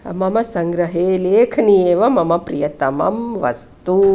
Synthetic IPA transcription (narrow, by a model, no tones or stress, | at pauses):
mɐmɐsɐŋɡɾɐɦeːleːkʰɐnieːʋɐmɐmɐpɾijɐt̪ɐmɐ̰mʋɐ̰st̪u